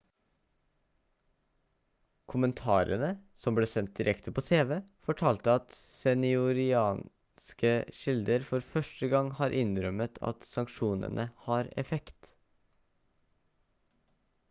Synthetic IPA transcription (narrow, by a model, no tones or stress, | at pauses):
kʰʊmənt̪ʰɑːɾə̰nəsɔmbleːsɛnt̪̚d̪ɪɾʔɛkt̪əpʰoːt̪ʰeːʋeːfɔʈʰɑːlt̪əɑt̪sɛnɪʊɾɪɑːn | skəʃɪld̪əɾfɔɾfœʃʈəɡɑŋhɑːɾʔɪnɾœmət̪ʰɑ̰t̪sɑŋkʃuːnə̰nʔəhɑːɾɛ̰fɛkt̪